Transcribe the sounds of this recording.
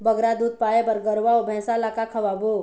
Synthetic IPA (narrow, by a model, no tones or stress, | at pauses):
bəɡɾad̪uːd̪̚paːjebəɾɡəɾʋaobʱɛ̃ːsalakakʰəʋabo